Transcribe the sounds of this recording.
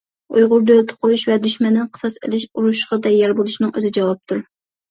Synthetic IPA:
ujʁʊɾd̪ølt̪ʰʊ̥qʰʊɾuʃvɛd̪yʃmɛnd̪ɪnqʰə̥sɑsɪ̰lɪʃuɾuʃqɑd̪ɛjɛɾbolˠuʃinɨŋø̰zɪd͡ʒɛwɑp̚t̪ʰuɾ

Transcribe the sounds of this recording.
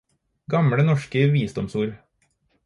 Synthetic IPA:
ɡɑmɽənɔʃkəʋiːsd̪ɔmsuːɾ

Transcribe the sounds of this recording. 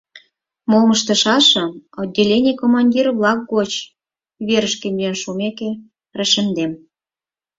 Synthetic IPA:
molməʃt̪ɤ̆ʃɑʃɤ̆od̚ʲːelʲenʲekomɑnʲdʲirβlɑk̚ɡot͡ɕ | βeɾə̆ʃkenʲenʃumeke | rə̆ʃə̆md̪em

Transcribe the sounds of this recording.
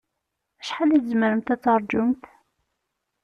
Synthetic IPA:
æʃħaliθzməɾəmt̪æt͡sːɑɾˤd͡ʒʊmt̪

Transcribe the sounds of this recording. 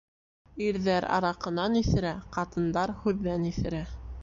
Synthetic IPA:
iɾðæɾɑ̰ɾɑqɤ̆nɑniθɘ̆ɾæqɑt̪ɤ̆nd̪ɑɾhʉðːæniθɘ̆ɾæ

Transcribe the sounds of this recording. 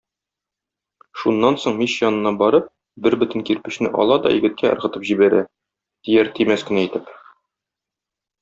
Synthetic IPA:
ʃunːɑnsoɴmiɕjɒnɤ̆nːɑbɒɾɤp̚ | bɘɾbɘ̆t̪ɘ̆ŋkiɾpɘ̆ɕnɘ̰ʔɒ̰lˠɑd̪ɒ̰jɘ̰̆ɡɘ̆t̪̚kʰæɤ̆ɾʁɤ̆t̪ɤpʑibæɾæ̰ | t̪ijæɾt̪ʰimæskɘ̆næijt̪ɘp

